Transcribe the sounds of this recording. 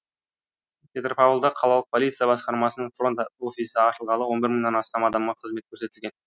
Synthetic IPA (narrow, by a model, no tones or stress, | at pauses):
pʲʰe̞t̪rpɑvəlˠd̪ɑqʰɑlˠɑlˠəq̚pʰo̞lijt̪sɨjɑbɑsqɑɾmɑsənəɴfro̞nt̪ofisəɑʃəlˠʁɑlˠəwo̞nbɪɾməɴd̪ɑnɑst̪ɑmɑd̪ɑmʁɑqʰəzmet̪kʲʰɵɾse̞t̪ɪlɡʲe̞n